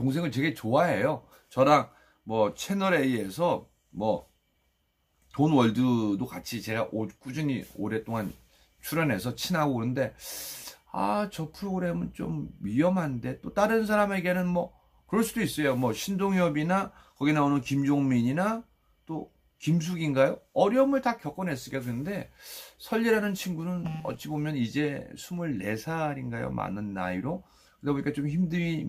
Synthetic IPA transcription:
toŋs̬ʰe̞ŋɯɭt͡ɕwe̞ɡe̞t͡ɕoaɦe̞jo | t͡ɕʌɾaŋ | mʌt͡ɕʰe̞nʌɾe̞ie̞sʰʌ | mʌ | tonwʌɭdɯdokat͡ɕʰit͡ɕe̞ɡaʔok͈ud͡ʑɯɲio̰ɾe̞t͈oŋan | t͡ɕʰuɾjʌne̞sʰʌt͡ɕʰinaɡoɯɾɯnde̞ | a̰t͡ɕʌpʰɯɾoɡɯɾe̞mɯnt͡ɕo̰mɥiʌmɦande̞t͈ot͈aɾɯns̬ʰaɾame̞ɡe̞nɯnmwʌ | kɯɾʌɭs͈udois͈ʌjomwʌɕʰindoŋjʌbina | kʌɡinaonɯnkimd͡ʑoŋmiɲina | t͈o | kims̬ʰuɡinɡajoʌɾjʌmɯɭtakjʌk͈ʌnɦe̞s͈ɯɭk͈akɯnde̞sʰʌʎːiɾanɯnt͡ɕʰinɡunɯnʌ̰tt͡ɕ͈ʰibomjʌnid͡ʑe̞sʰumuɭːe̞̰sʰaɾinɡajo̰ma̰nɯnːa̰iɾo | kɯtepoɲik͈at͡ɕomçimdɯmi

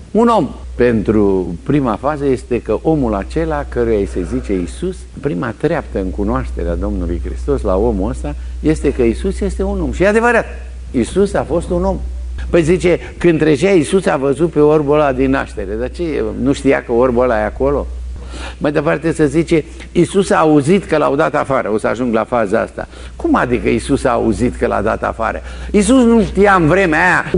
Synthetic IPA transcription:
uno̞mpe̞nt̪ɾupɾimafazəje̞st̪e̞kəʔo̞mula̰t͡ʃe̞lakəɾujasezit͡ʃe̞isus | pɾimat̪ɾeapt̪əɨŋkunoaʃt̪e̞̰ɾea̰d̪o̞mnulujkɾḭst̪o̞sla̰o̞muəst̪a | je̞st̪e̞kəisusje̞st̪e̞uno̞mʃijead̪e̞vəɾat̪̚ | isusafo̞st̪uno̞mpəjzit͡ʃe̞ | kɨnt̪ɾeʒaisusavəzut̪̚pe̞orbolad̪inːa̰ʃt̪e̞ɾe̞d̪at͡ʃenuʃt̪ija̰kəorbolajeako̞lo̞̰ | majd̪əpart̪e̞səzit͡ʃe̞ | isusaːuzit̪kəla̰od̪at̪afaɾəo̞səa̰ʒuŋɡlafazəa̰st̪a̰ | kuma̰d̪ikəisusa̰ːuzit̪kəla̰d̪a̰t̪a̰fa̰ɾə̰isusnuʃt̪ijaɨnvɾe̞meaja

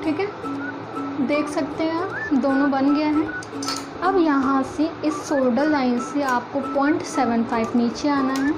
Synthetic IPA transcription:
ʈʰiːkɛ | d̪eːkʰsɐkt̪eɦɛ̃aːp̚d̪oːnõbɐnɡɐjaɦɛː | ɐbjɐɦãseɪsːoːlɖəɾlaːɪnseaːp̚kopɔːɪ̃ɳʈsɛːʋənpʰaːɪʋniːt͡ʃeaːnaɦɛː

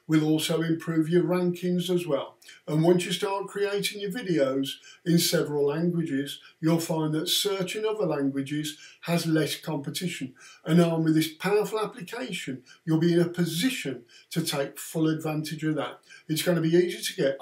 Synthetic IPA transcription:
wɪlˠɔlˠsoʊɪ̃mpʰɹ̥ʉvjə˞ɹæ̃ŋkʰɪ̃ŋzəzwɛlˠə̃nwʌ̃nsjɨstɑɹt̚kʰɹ̥ieɪɾɪ̃ŋjə˞vɪɾioʊzɪ̃nsɛvɹəlˠlæ̃ŋɡwɨd͡ʒɪzjəlˠfãɪ̃nðətsɜ˞t͡ʃɪ̃nʌðə˞læ̃ŋɡwɪd͡ʒɪz̥əzlɛskʰɑ̃mpɨtʰɪʃɨ̃nə̃naʊ̃nwɨðɪspʰaʊə˞fəlˠaplɨkʰeɪʃɨ̃njəlˠbiɨ̃nəpʰɨzɪʃɨ̃ntʰɨtʰeɪkfʊlˠədvæ̃ntɨd͡ʒɨ̃nðə̰t̚ɨtsɡ̥ʌnəbiiːziɾəɡɛɾ

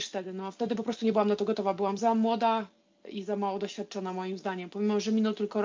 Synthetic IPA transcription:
ʂft̪ɛd̪ɘnɔaft̪ɛd̪ɘpɔpɾɔst̪uɲɛbɘwamnat̪ɔɡɔt̪ɔvabɘwamzamwɔd̪a | izamawɔd̪ɔɕfʲjat̪̚t͡ʂɔnamɔjimzd̪aɲɛmpɔmʲimɔmʐɛmʲinɔt̪ɘlkɔɾ

